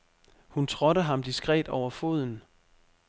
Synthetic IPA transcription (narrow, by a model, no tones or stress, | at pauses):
hunt͡sʰʁɔ̽ɾəɦɑ̈md̥isɡ̥ʁɛ̰ːd̥ɒʊ̰ɐfo̝ð̞̰ˠn̩